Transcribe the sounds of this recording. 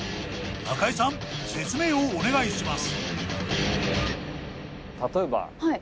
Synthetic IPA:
akaisãŋse̞t͡sɨme̞ːoːne̞ɡaiɕimasɨ̥ | t̪at̪o̞eba̰hai

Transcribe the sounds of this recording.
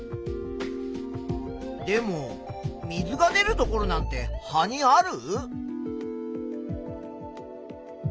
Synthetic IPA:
d̪e̞mo̞ | mʲizɨɡane̞ɾɯ̟t̪o̞ko̞ɾo̞nãnt̪e̞haɲ̟iaɾɯ̟

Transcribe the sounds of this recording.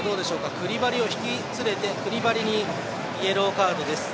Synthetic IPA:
d̪o̞ːd̪e̞ɕo̞ːkakɯ̟ɾʲibaɾʲio̞çi̥kʲi | t͡sɨɾe̞t̪e̞kɯ̟ɾʲibaɾʲiɲ̟i | ie̞ɾɯokaːd̪o̞d̪e̞sɨ̥

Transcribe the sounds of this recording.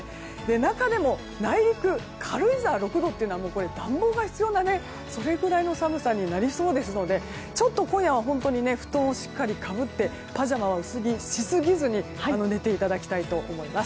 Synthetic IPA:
d̪e̞nakad̪e̞mo̞ | naiɾʲikɯ̟ | kʰaɾɯ̟izaːɾo̞kɯ̟d̪o̞t̪eɯ̟noamo̞ːko̞ɾe̞d̪ãmbo̞ːɡaçi̥t͡sɨjo̞nane̞ | so̞ɾe̞ɡɯ̟ɾaino̞samɯ̟sãɲ̟ːinaɾʲiso̞ːd̪e̞sɨno̞d̪e̞ | t͡ɕo̞t̪ːo̞kõɰ̃jaβ̞aɦõ̞nt̪o̞ɲ̟ine̞ɸɯ̟̥t̪õ̞ːoɕi̥kːaɾʲikʰabɯ̟t̪ːe̞ | paʑamaβaɯ̟sɨɡʲiɕisɨɡʲizɨɲ̟i | ano̞ne̞t̪e̞it̪ad̪akʲi̥t̪ait̪o̞ʔo̰mo̞imasɨ̥

